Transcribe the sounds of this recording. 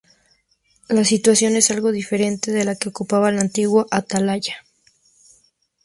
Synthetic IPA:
lasit̪wasjo̞ne̞salɣo̞ðife̞ɾe̞nt̪eðe̞lake̞okupaβalant̪iɣwoʔat̪alaʝa

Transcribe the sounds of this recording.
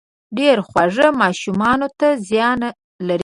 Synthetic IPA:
ɖeɾxwaʐəmɑʃumɑnot̪azjɑna | laɾ

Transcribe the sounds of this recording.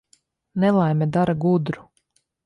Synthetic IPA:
nɛlˠajmʲɛd̪aɾaɡud̪ɾu̥

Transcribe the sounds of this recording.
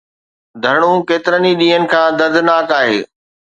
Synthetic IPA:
d̪ʱɐɽ̃ũkeːt̪ɪɾəniɗĩːɦənɪ̆kʰãːd̪ɐɾd̪ʱnaːkaːɦeː

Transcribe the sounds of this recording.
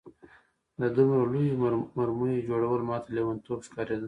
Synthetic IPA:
d̪ad̪umɾolujimaɾmunid͡ʒoɽawəlmɑt̪alewant̪obskɑɾed̪ə

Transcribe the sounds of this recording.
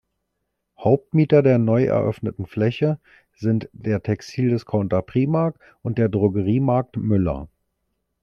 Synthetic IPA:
haʊp̚tmiːtɐdeːɐnɔʏʔɛ̰ɐʔœ̰fnətn̩flɛçə | zɪntd̥eːɐtʰɛkstʰiːldɛskʰaʊntɐpʁ̥iːmaɐk̚t | ʔʊntd̥eːɐdʁoɡəʁiːmaɐk̚tmʏlɐ̰

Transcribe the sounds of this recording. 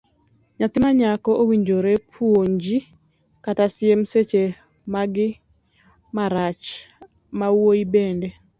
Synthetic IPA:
ɲat̪ɪmaɲakɔʔowiɲd͡ʒoɾepʰwoɲd͡ʒi | katasɪemset͡ʃe | maɡɪ | maɾat͡ʃ | mawoibende

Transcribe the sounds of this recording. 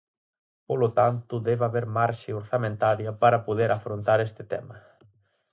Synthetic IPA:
polot̪ant̪ʊðɛβaβeɾmaɾʃeoɾθamẽnt̪aɾjɐpaɾɐpoðeɾʔafɾont̪aɾest̪ɪt̪ɛ̰mɐ

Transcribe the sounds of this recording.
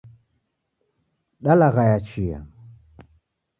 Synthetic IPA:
ɗalaɣajat͡ʃija̰

